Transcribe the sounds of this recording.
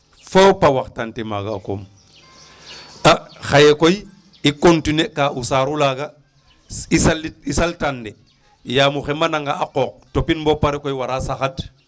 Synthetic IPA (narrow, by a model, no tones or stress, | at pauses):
fawpawaxtantema̰ɡaːko̰m | axajekoj | ikontinekaʔusaːɾulaɡa | isalisaltande | jaːmuxemanaŋɡaaqoːq̚topinbopaɾekojwaɾasaxad